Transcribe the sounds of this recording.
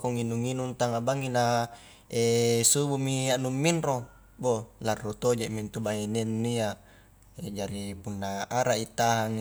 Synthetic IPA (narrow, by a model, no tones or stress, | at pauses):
koŋinuŋinunt̪aŋabaŋina | esubumiaʔnumːinro | bolarːot̪od͡ʒaʔmint̪ubaɦenenːia | ed͡ʒaɾipunːaʔaɾaʔit̪aɦaŋ